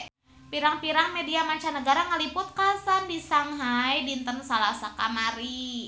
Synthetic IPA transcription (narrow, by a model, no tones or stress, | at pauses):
piɾaŋpiɾaŋmediamaɲt͡ʃanəɡaɾaŋəlipʊt̪̚kasandisaŋɦajdint̪ənsalahsaka̰maɾi